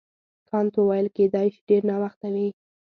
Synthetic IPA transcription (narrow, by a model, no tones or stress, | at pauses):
kʰɑnt̪owɑjəlked̪ɑjʃi̥ɖeɾnɑwaxt̪awi